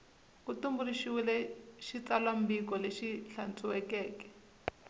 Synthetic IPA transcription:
kutumbuliʃiwilɛʃit͡salam̩bik̬ɔleʃiɬant͡sʰʼuwɛkɛːkɛ̥

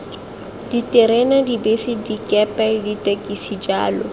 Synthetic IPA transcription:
d̥iteɾɛnadibesidikɛpɛditʼekʼisid͡ʒaːlɔ

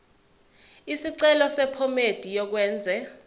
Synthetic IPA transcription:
isiǀɛlɔsɛpʰɔmed̥ʱijɔk̬wɛːnd͡zʱɛ

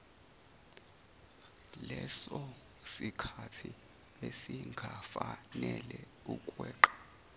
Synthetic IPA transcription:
lɛsɔ | sikʰatʰi | esiŋɡʱafanɛlɛ | ukʼwɛːǃḁ

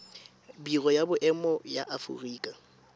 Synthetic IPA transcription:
biɣɔjabʊʔɛmɔjaʔafṵriːkʼa

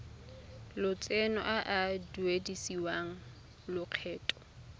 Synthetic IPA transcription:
lʊt͡sʼɛnɔ̰ʔaʔadwedisiwaŋ̩ | lʊq͡χʰɛːtʼɔ̥

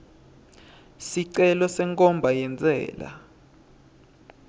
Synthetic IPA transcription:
siǀɛlɔsɛŋkʼɔmbʱajɛnt͡sʼɛ̰ːla̰

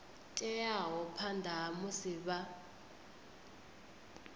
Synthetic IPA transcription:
t͡ʃʼɛjaɦɔpʰandʱamʊsiɓa

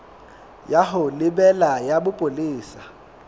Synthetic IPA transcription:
jaɦʊlɪbɛlajabʊpʼoliːsḁ

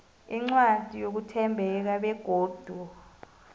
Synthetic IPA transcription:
iŋ͡ǀwad̥ʱijok̬utʰɛmbʱɛk̬aɓɛɡ̥ʱoːd̥ʱu

